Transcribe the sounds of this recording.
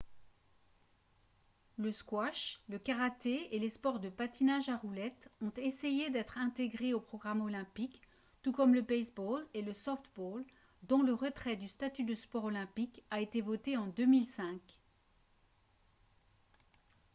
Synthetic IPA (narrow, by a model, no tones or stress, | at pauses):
ləskwaʃləkaʁat̪eelespɔʁd̪əpat̪inaʒaʁulɛt̪ɔ̃t̪esejed̪ɛt̪χɛ̃t̪eɡʁeopχɔɡʁamɔlɛ̃pik | t̪ukɔmləbɛsboleləsɔft̪bol | d̪ɔ̃ləʁət̪χɛd̪yst̪at̪yd̪əspɔʁɔlɛ̃pikaet̪evɔt̪eɑ̃d̪ømilsɛ̃k